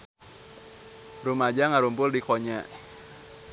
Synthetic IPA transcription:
rumad͡ʒaŋaɾumpʊldikoɲa

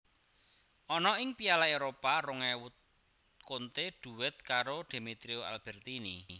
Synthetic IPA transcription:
ʔɔnɔɪŋpialaeɾopaɾʊŋɛwʊt̪̚ | kont̪eɖ̪̥ṳwɪt̪̚kaɾoɖ̪̥e̤mit̪ɾioa̰lb̥ɛ̤rt̪inḭ

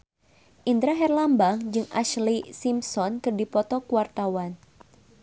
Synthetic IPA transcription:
ʔind̪ɾaɦɛrlambaŋd͡ʒɨŋʔa̰ʃlisimsɔnkɨrdipɔt̪ɔkuwart̪awan

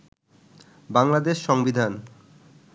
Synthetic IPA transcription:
baŋlad̪eʃːɔŋbid̪ʱan

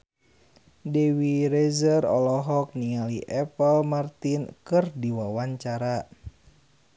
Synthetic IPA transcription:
dɛwiɾɛzərɔ̰lɔɦɔk̚niŋaliʔɛpəlmart̪inkɨrdiwawaɲt͡ʃaɾa

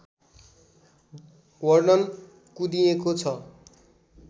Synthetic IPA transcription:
wʌrnʌn | kud̪iekot͡sʰʌ

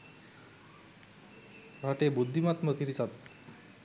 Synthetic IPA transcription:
ɾaʈebud̪ʱːimat̪mət̪ʰiɾisat̪̚

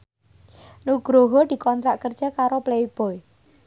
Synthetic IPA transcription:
nuɡ̥ɾoɦɔd̪̥i̤kɔnt̪ɾaʔkərd̥ʒ̥a̤kaɾopleib̥ɔj

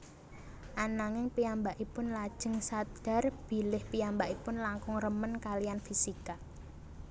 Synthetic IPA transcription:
ʔanaŋɪŋpiambaʔipʊnlad̥ʒ̥ə̤ŋsad̪̥a̤rb̥i̤lɪhpiambaʔipʊnlaŋkʊŋrəmənkalijanfisika

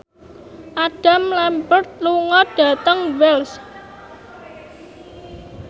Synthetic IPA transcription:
ʔaɖ̥a̤mlɛmpərt̪̚luŋɔɖ̥ä̤t̪əŋwɛls

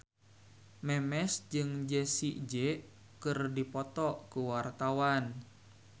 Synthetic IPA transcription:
mɛmɛsd͡ʒɨŋd͡ʒəsiʔd͡ʒɛ | kɨrdipɔt̪ɔkuwart̪awan

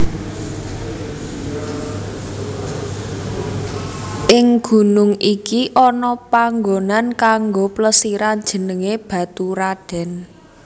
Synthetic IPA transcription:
ʔɪŋɡ̥ṳnʊŋʔikiʔɔnɔpaŋɡonankaŋɡopləsiɾan̥d͡ʒ̥ə̤nəŋeb̥ä̤t̪uɾaɖ̥ɛ̤n

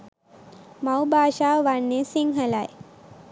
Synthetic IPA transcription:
mawbaːʃaːʋaɳːesiŋɦəlaj

